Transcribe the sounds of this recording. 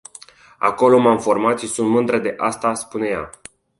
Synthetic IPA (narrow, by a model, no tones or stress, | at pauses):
a̰ko̞lo̞mamfo̞rmat̪ʃisunt̪mɨnd̪ɾəd̪e̞ʔast̪aspune̞ja̰